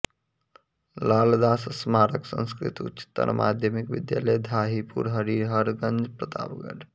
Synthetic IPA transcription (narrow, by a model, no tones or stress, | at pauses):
laːld̪aːssmaːɾəksə̰̃nskɾḭt̪utt͡ʃi̥t̪ːə̰nʔmʔa̰ːd̪ʱjəmikʋɪ̰d̪ja̰ːləjd̪ʱaːɦipṵɾɦəɾiːɾɦəɾɡə̃nd͡ʒpɾət̪a̰ːbɡə̰ʈʰ